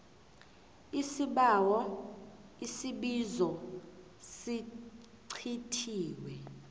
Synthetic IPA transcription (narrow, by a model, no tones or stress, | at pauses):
isiɓawɔ | isiɓizɔ | si | ǀʰitʰiːwɛ